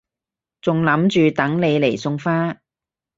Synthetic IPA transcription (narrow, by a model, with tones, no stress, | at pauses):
t͡sʊ˨ŋlɐ˨˥mt͡ʃyː˨t̪ɐ˨˥ŋle˨˧jle˨˩jsʊ˧ŋfaː˥